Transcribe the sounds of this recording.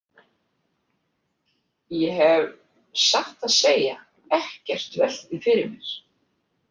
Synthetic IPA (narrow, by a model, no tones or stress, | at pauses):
jɛɦɛv | saht̪aðseːja | ɛhcɛr̥t̪vɛl̥t̪ɪfɪɾɪɾmɪɾ̥